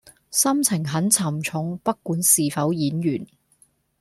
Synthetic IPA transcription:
sɐ˥mt͡sʰɪ˨˩ŋɦɐ˨˥nt͡sʰɐ˨˩mt͡sʰʊ˨˥ŋpɐ˥kːuː˨˥nsiː˨fɐ˨˥wjiː˨˥njyː˨˩n

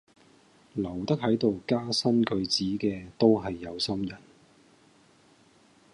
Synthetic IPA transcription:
lɐ˨˩wt̪ɐ˥k̚ɦɐ˨˥jt̪o˨wkaː˥sɐ˥nkɵ˨˧ɥt͡siː˨˥kɛː˧t̪o˥wɦɐ˨jːɐ˨˧wsɐ˥mjɐ˨˩n

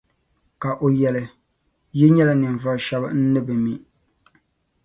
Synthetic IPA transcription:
ka˨ʔo˨jɛ˨lɨ˨ | ji˦ɲɛ˦la˦nɨ˨ɱ˨vʊ˦˨ʃɛ˦bɨ˦n̩˦nɨ˦bɨ˨mi˦

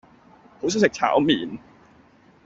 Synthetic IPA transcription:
hʰuː˦˥s̬uː˧˥se˨˩k̚t͡ɕʰa̰ː˨˩˦wmiː˨˩˦n

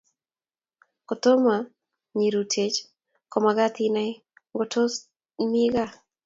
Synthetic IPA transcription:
ko˨t̪o˦ma˨ | ɲe˨ɾu˨tʰe˨t͡ʃ | kɔ˨maɡa˦t̪ina˦ | ŋɡotʰo˦s | mi˦ɡa˦˨

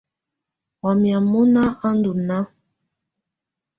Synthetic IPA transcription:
a˨mja˨mu˦na˦ʔa˦n̩˦du˨na˦

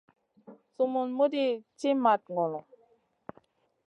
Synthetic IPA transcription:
su˨mu˨nmu˦di˦t͡ʃi˦ma˨t̪̚ŋɔ˨lɔ˨

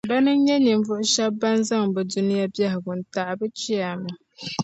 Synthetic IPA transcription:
ba˦nɨ˦n˦ɲɛ˦ɲi˨ɱ˨vʊ˦ʔʊ˦ʃɛ˦ba˦n˦za˦ŋbɛ˨du˦nɪ˦ja˦bi˦a˦ɦɪ˨ɡʊ˨n̩˨ta˨ʔbɨ˦t͡ʃi˦a˨mʊ˨

